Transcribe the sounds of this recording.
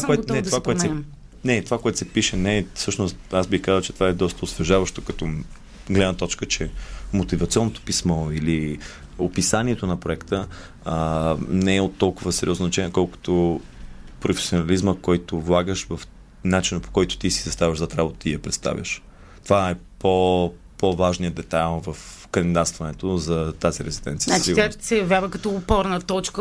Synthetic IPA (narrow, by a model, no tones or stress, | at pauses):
tvakoɛnɛt̪ovakoɛt̪sɛ | nɛt̪ovakoɛt̪o̥sɛpiʃɛnɛfsɤʃnost̪azbixkazəlˠt͡ʃɛt̪ovaɛd̪ɔst̪əosvɛʒavəʃt̪okɐt̪ɔ | ɡlɛd̪nət̪ɔt͡ʃkət͡ʃɛmot̪ivɐt̪siɔnːot̪o̥pismɔili | opisaniɛt̪onɐpɾoɛkt̪ə | nɛɛot̪ːɔlˠkʊvəsɛɾʲiɔzzɐt͡ʃɛnʲiɛkɔlˠkʊ̥t̪o | pɾofɛ̥sionɐlizməkɔjt̪ʊvlˠaɡəʃvəf | nat͡ʃinəpo̥kɔjt̪ʊ̥t̪isi̥zɐst̪avʲəʒzat̪ɾabot̪əijɐpɾɛt̪st̪a̰vʲjə̰ʃ | t̪ovaɛpo | povaʒnijəd̪ɛt̪alˠvəfkɐnd̪id̪at̪st̪vɐnɛt̪ozɐt̪aziɾɛzid̪ɛ̰nt̪sij̪at͡ʃiɡ̪asɛjɐvʲjavəkɐt̪ɔːpɔɾnət̪ɔt͡ʃkə